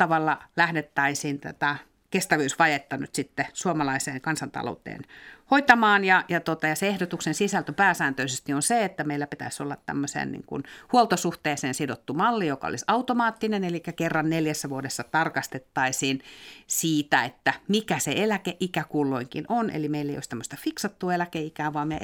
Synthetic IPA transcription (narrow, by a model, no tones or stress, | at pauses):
ɑʋɑlːɑlæhdet̪ːɑisiːnt̪æ̰t̪ɑ | kest̪æʋyːsʋɑjet̪ːɑny̰t̪sit̪ːesuomɑlɑiseːŋkɑnsɑnt̪ɑ̰lo̰ut̪ḛːnhoit̪ɑmɑːnjɑjɑt̪ot̪ɑjɑseehdot̪uksensisælt̪øpæːsæːnt̪øisest̪ionseet̪ːæmeilːæpit̪æ̰isolːɑt̪tæ̰mːøsḛːnnḭŋkṵnhuolt̪osuht̪eːseːnsidot̪ːumɑlːijokɑ̰o̰lisɑut̪omɑːt̪ːinenelikːækerːɑnneljæsːæʋuodesːɑt̪ɑrkɑst̪et̪ːɑisiːnsiːt̪æet̪ːæmikæseelækeʔikækulːoiŋkḭnonḛlimeilːḛijo̰st̪æmːøst̪ɑfiksɑt̪ːuːelækeikæːʋɑːme